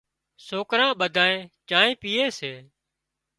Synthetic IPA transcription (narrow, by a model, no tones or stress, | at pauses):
soːkɾãːɓəd̪ʱaːẽːt͡ʃaːẽːpiːeːseː